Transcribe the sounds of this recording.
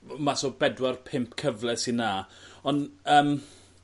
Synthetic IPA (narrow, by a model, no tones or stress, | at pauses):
masoːbɛdwarpʰɪmpkʰəvlɛsinaːɔnəːm